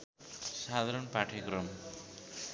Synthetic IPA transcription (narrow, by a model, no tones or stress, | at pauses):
sad̪ʱaɾʌnpaʈʰekrʌm